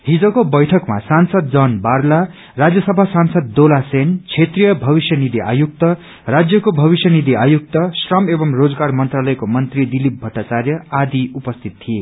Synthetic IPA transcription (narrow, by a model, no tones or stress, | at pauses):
ɦid͡zokobʌjʈʰʌkma̰sansʌd̪̚d͡zʌnbarla | rad͡zjʌsʌbʱasansʌd̪ːolasent͡sʰet̪rijʌbʱʌbisjʌnid̪iʔa̰juk̚t̪ʌ | rad͡zjʌkobʱʌβisjʌnid̪iajuk̚t̪ʌsrʌmebʌmrod͡zɡarmʌnt̪ralʌjkomʌnt̪rid̪ilip̚bʱʌʈːat͡sarjʌad̪iupʌst̪ʰit̪tʰːije